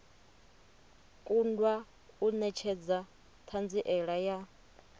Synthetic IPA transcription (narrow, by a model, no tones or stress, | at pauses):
kʼundwa | unɛt͡ʃʰɛd͡za | t̪ʰand͡ziʔɛɺaja